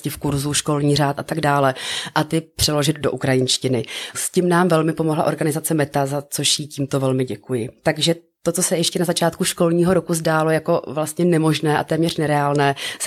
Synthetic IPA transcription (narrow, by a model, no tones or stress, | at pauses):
scɪfkuɾzuːʃko̞lɲiːraːt̪ʔat̪aɡdaːlɛʔat̪ɪpr̝̥ɛlo̞ʒɪd̪̚do̞ʔukɾajɪnʃcɪnɪscɪmnaːmvɛlmɪpo̞mo̞ɦla̰ʔo̞ɾɡanɪzat͡sɛmɛt̪azat͡so̞ʃjiːciːmt̪ovɛlmɪɟɛkujɪt̪aɡʒɛ | t̪o̞t͡sosɛjɛʃcɛnazat͡ʃaːt̪̚kuʃko̞lɲiːɦo̞ɾo̞kuzdaːlo̞jako̞vlast̪ɲɛnɛmo̞ʒnɛːʔa̰t̪ɛːmɲɛr̥nɛɾɛaːlnɛːs